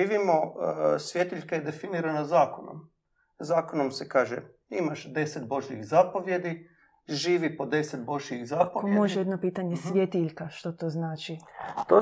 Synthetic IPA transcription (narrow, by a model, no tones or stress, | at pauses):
iːʋimosʋjet̪iʎkaed̪e̞finiɾanazaːkono̰m | zaːkonomsekaːʒḛ | imaʃd̪e̞set̪̚bo̞ʒiḭxzapo̞ʋje̞d̪i | ʒiːʋipo̞d̪e̞set̪̚bo̞ʒiiɣzapokomoʒejed̪no̞piːt̪aɲe̞sʋʲjet̪iʎkaʃt̪ot̪oːznaːt͡ʃit̪o